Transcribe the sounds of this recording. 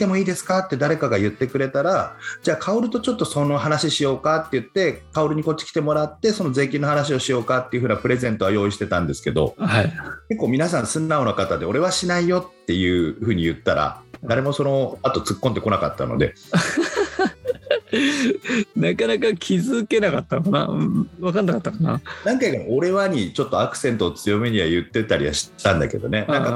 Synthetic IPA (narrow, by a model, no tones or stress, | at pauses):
t̪e̞mo̞iːd̪esɨ̥kat̪ːe̞d̪aɾe̞kaɡajɯ̟t̪ːe̞kɯ̟ɾe̞t̪aɾad͡ʑaːkʰaoɾɯ̟t̪o̞t͡ɕo̞t̪ːo̞sonoɦanaɕiɕijo̞ːkat̪ːe̞jɯ̟t̪ːe̞kao̞ɾɯ̟ɲ̟iko̞t͡ɕːi̥kʲi̥t̪e̞mo̞ɾat̪ːe̞so̞no̞ze̞ːkʲĩnːohanaɕ̬io̞ɕijo̞ːkat̪ːe̞iɯ̟ɯ̟ːnapɯ̟ɾe̞zẽ̞nt̪o̞βajo̞ːiɕ̬i̥t̪e̞t̪ã̰nd̪e̞sɨ̥ke̞d̪o̞̰haike̞kːo̞ːmʲinasãɰ̃sɨ̃nːaonokat̪ad̪e̞o̞ɾe̞β̞aɕinaijo̞t̪ːe̞jɯ̟ːɸɯ̟ːɲ̟ijɯ̟t̪ːaɾa̰d̪aɾe̞mo̞so̞no̞at̪o̞t͡sɨkːõ̞nd̪e̞ko̞naka̰t̪ːa̰no̞̰d̪e̞̰ | nakanakakʲʰizɨke̞nakat̪ːanokana̰ɯ̟̃βakãnːakat̪ːakana̰nãŋkaikaɾo̞ɾe̞βaɲ̟it͡ɕo̞t̪ːo̞akɯ̟̥sẽ̞nt̪o̞ːt͡sɨjo̞meɲiβajɯ̟t̪ːe̞t̪aɾʲiβa̰ɕi̥t̪ãnd̪a̰ke̞d̪o̞̰ne̞nãŋka